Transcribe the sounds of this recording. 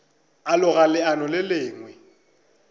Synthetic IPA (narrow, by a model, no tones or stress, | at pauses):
alʊɣalɪanɔlɪlɪːŋwɛ